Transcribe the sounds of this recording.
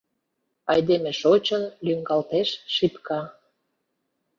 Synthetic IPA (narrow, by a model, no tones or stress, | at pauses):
ɑjd̪emĕʃot͡ɕənlyŋɡɑlt̪eʃʃipkɑ